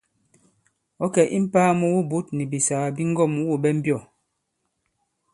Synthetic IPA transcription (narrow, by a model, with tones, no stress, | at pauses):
ɔ˨˦kɛ˨ʔi˦m̩˦paː˦mu˦wu˦bu˦t̚ni˨bi˨sa˨a˨bi˦ŋ̩˦ɡɔ˦˨m˨wu˦˨bɛ˦m̩˦bjɔ˦˨